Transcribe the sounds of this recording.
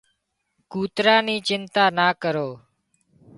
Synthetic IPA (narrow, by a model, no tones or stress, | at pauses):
kuːt̪ɾaːniːt͡ʃɪnt̪aːnaːkəɾoː